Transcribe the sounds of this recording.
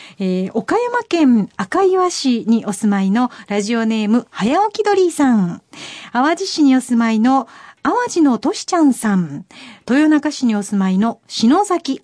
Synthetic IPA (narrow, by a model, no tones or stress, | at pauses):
eːo̞kajamakẽ̞ɴakaiβaɕiɲ̟iʔo̞sɨmaino̞ɾaʑio̞ne̞ːmɯ̟hajaokʲid̪o̞ɾʲiːsãɴ | aβad͡ʑiɕiɲ̟io̞sɨmaino̞aβad͡ʑino̞t̪o̞ɕi̥t͡ɕãɰ̃sãnt̪o̞jo̞nakaɕiɲ̟io̞sɨmaino̞ɕino̞ːsakʲi